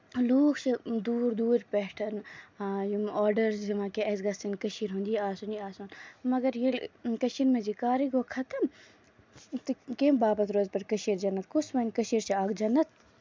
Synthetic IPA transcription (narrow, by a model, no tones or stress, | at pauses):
luːkʰt͡ʃed̪uːɾd̪uːɾpɛːʈʰɐnːjimɔːɖɐɾzimãkeɐsɡɐsinkɐʃiɾɦõnd̪ijaːsunjiaːsuːnmɐɡɐɾjelkɐʃinmẽd͡ʒikaːɾiɡokʰɐt̪ɐm | t̪ɨkembaːbɐt̪ɾoːzpɐɾkɐʃiːɾd͡ʒɐnːɐt̪kusmɐnʲkɐʃiɾt͡ʃiaːɡd͡ʒɐnːɐt̪̚ʰ